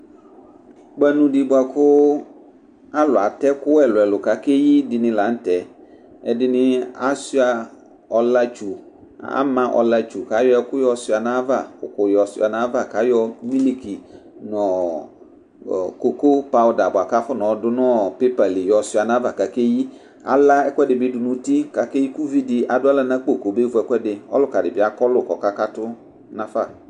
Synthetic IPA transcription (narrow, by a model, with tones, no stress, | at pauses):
ɡ͡ba˦nũ˨di˨bʊ˦a˨kʰʊ˦ | a˦lʊ˨a˨tɛ˦kʊ˦ɛ˨lʊ˨ɛ˨lʊ˨ka˨ke˦ji˦dɪ˨nɪ̃˦la˨˦n̩˦tɛ˨ | ɛ˨dɪ˦nɪ̃˦a˦si˦a˨ | ɔ˨la˦t͡ʃu˨ | a̰˦mã˦ʔɔ̰˨la˦t͡ʃu˨ka˨˦jɔ˦ɛ˦kʊ˦jɔ˨sʊ˦˨a˨nã˦va˨ʊ̰˨kʊ˨jɔ˨sa˨nã˦va˦˨ka˨˦jɔ˦mi˦li˦ki˨ | nɔ̃˨ | ko˨ko˦pa˦wʊ˨da˨bʊ˨a˨ka˦fʊ˦nɔ̃˨˦dʊ˦nɔ˦pe˦pa˨li˨jɔ˨si˦a˨nã˦va˨ka˨ke˦ji˦ | a̰˨la˦ɛ˦kʷɛ˦dɪ˨bɪ˦dʊ˨nũ˦ti˦ka˨ke˦ji˦ku˦vi˦dɪ˨ʔa˨dʊ˦a˦la˦nã˦k͡po˦˨ko˨be˦vʊ˨ɛ˦kɛ˦dɪ˨ɔ̰˦lʊ˦ka˨dɪ˨bɪ˨˦a˨kɔ˦lʊ˨kɔ˨ka˦ka˦tʊ˦ | nã˦fa˦˨